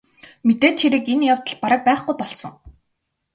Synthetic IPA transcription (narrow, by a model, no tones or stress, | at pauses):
met̪eːt͡ɕxeɾɘ̆kenjawt̪ə̆ɮpaɾə̆k̚pæːχɡujpɔɮsɞ̆ŋ